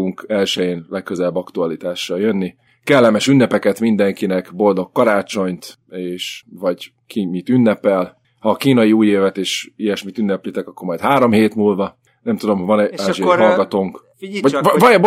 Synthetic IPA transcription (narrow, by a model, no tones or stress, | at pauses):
uŋkɛlʃɛjeːnlɛkːøzɛlɛbːɒkt̪uɒlit̪aːʃːɒljønːi | kɛlːɛmɛʃynːɛpɛkɛt̪mind̪ɛŋkinɛkbo̞ld̪o̞kːɒɾaːt͡ʃo̞ɲt̪ | eːʃvɒɟ | kimit̪ynːɛpɛl | hɒːkiːnɒjiuːjeːvɛt̪eːʃijɛʃmit̪ynːɛplit̪ɛkɒkːo̞ɾmɒjt̪haːɾo̞mheːt̪muːlvɒ | nɛmt̪ud̪o̞mɦovɒnɛaːʒiɦɒlɡɒt̪oːŋk | vɒvɒb